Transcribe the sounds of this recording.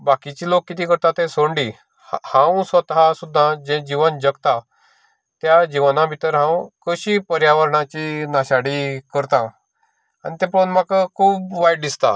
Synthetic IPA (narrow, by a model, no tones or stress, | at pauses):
bakit͡ɕiːlokːit̪iːkəɾt̪at̪ẽsoɳɖi | hãwsət̪ɦasud̪ʱːãd͡ʑɛ̃d͡ʑiʋənd͡ʑəɡt̪a | t̪jad͡ʑiʋənãbʱit̪əɾɦãwkəɕipəɾjaʋəɾɳãt͡ɕinaɕaɽiːkəɾt̪ã | anit̪ɛ̃põnm̤akəkʰuːbʋajɖd̪ist̪a̰